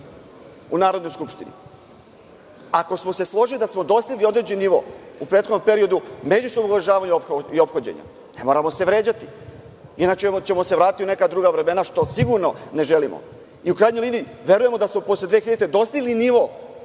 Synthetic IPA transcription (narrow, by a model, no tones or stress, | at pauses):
unaːɾo̞d̪nojskupʃt̪inḭ | ako̞smo̞se̞slˠo̞ʒilid̪asmo̞d̪o̞st̪iɡlio̞d̪ɾed͡ʑenːiʋo̞̰upɾet̪xod̪ompe̞ɾio̞d̪ume̞d͡ʑusobdnouʋɾaʒaːʋaɲupxio̞pxod͡ʑḛɲa̰ | ne̞mo̞ːɾamo̞se̞ʋɾe̞ːd͡ʑat̪i | inat͡ʃemt͡ɕe̞mo̞seʋɾaːt̪it̪iune̞kad̪ɾuːɡaʋɾe̞me̞naʃt̪o̞siɡuɾno̞ne̞ʒelimo̰ | iukɾaːjɲojliːniiʋe̞ɾuje̞mo̞d̪asmopo̞sled̪ʋeːxiʎet̪ed̪o̞st̪iɡliniʋo̞